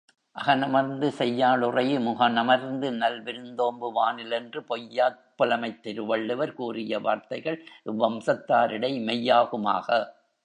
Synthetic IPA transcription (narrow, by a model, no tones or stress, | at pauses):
ʔɐɣɐnɐmɐɾnd̪ɯsɛjːaːɭɯrɐjɯmʊɣɐnɐmɐɾnd̪ɯnɐlʋɪɾɯnd̪oːmbɯʋaːnɪlɛndrɯpɔjːaːt̚pɐlɐmɐɪt̪ːɪɾɯʋɐɭːɯʋɐɾkuːrɪjɐʋa̰ːɾt̪ɐɪɣɐɭʔɪʋːɐmsɐt̪ːaːɾɪɽɐɪmɛjːaːɣɯma̰ːɣɐ